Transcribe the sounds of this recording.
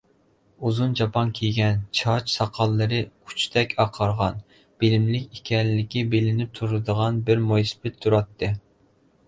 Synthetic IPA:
uzund͡ʒɑpɑnkʲʰeɡʲɛnt͡ʃʰɑt͡ʃsɑqʰɑlˠːɨɾɨkʰu̥t͡ʃʰt̪ʰɛkʲʰɑqʰɑɾʁɑn | b̥ɪlɪmlɪkʲikʲʰɛnːɪkʲibelɪnɪp̚t̪ʰuɾɨd̪əʁɑnbɪɾmojsɨ̥bɪt̪ʰːuɾɑt̪ʰːɨ

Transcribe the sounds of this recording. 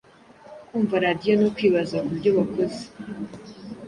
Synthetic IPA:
kuːɱvaɾadijonokwiːβazakubɟoβakoze̥

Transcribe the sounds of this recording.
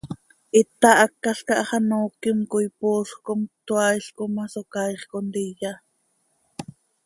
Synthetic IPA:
ʔit̪ɑʔɑkːɑɬkɑʔɑχɑnoːkimkojpoːɬχkomt̪wɑjɬkomɑsokɑjχkond̪ijɑ

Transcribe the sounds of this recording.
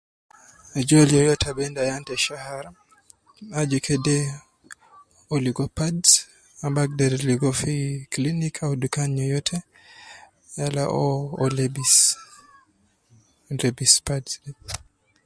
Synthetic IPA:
d͡ʒalijɔjɔtʰabɛndajantɛʃahaɾa | ad͡ʒukʰɛdɛ | ɔliɡɔpad | abak̚daɾliɡɔfiklinikʰaudukaɲɲɔjɔtʰɛ | jalaʔɔɔlɛbis | ɾɛbispadɛ

